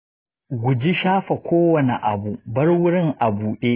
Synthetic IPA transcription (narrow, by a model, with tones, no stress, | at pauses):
ɡʷʊ˨d͡ʒi˦ʃaː˦ɸa˨kʷoː˦wɐ˨ne˨ʔa̰˨bu˨bɐ˦rwʊ˦ɽɪ˦˨ŋʔa˨buː˨ɗeː˦